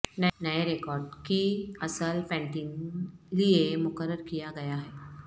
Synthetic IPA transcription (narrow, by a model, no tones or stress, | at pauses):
nənəjeɾekɔɾɖkiːəsəlpɛ̃ɳʈiːnliemʊkəɾːəɾkijaɡəjaɦɛ